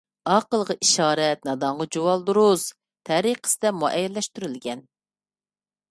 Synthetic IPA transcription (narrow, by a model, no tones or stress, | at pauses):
ɑqəlˠʁɑʔiʃɑːɾɛt̪̚nɑd̪ɑɴʁɑd͡ʒuwɑlˠd̪uɾus | t̪ʰɛɾiqʰə̥sɪd̪ɛmuʔɛjɛlːɛʃt̪yɾylɡʲɛn